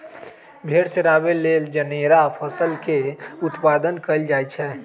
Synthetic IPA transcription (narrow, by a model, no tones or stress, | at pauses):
bʱeɾt͡ʃəɾabeleld͡ʒəneɾapʰəsəlkeut̪pad̪ənkəld͡ʒajt͡ʃʰɛ